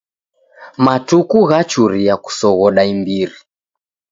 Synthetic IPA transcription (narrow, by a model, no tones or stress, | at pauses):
matukuɣat͡ʃuɾiaku̥sɔɣɔɗaimbiɾi